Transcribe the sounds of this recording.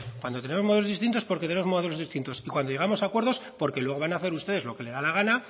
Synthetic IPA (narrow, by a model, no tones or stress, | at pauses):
kwand̪o̞t̪ee̞mozmo̞ðelo̞zðist̪int̪o̞spo̞ɾket̪eneo̞zmo̞ðe̞loðist̪int̪o̞sikwand̪oʝe̞amo̞sakwe̞ɾðo̞spo̞ɾkelwe̞ɣo̞βanaθe̞ɾust̪e̞ðe̞zlo̞ke̞le̞ðalaɣ̞ana